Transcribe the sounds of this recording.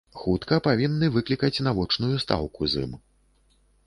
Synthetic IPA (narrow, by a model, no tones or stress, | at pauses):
xut̪kɐpavʲinːɨvɨklʲikɐt͡sʲnavɔt͡ʂnujust̪a̰wkuzɨ̰m